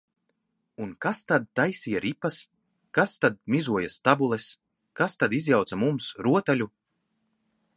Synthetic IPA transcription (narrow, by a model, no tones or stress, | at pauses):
unkast̪ad̪̚t̪ajsiːjaɾipːas | kast̪ad̪̚mʲizuɔjast̪abulˠɛs | kast̪ad̪izʲjawt̪samumsɾuɔt̪alʲu